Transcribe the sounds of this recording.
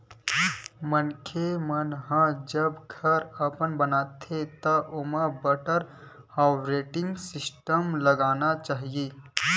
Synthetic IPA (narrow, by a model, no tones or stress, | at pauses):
mənkʰemənɦãd͡ʒəbɡʱəɾəpənbənaːt̪ʰet̪əʔʊmə̃bəʈəɾ | haːʋɾeːʈɪ̃ŋɡsɪsʈəmləɡaːnat͡ʃaːɦijeː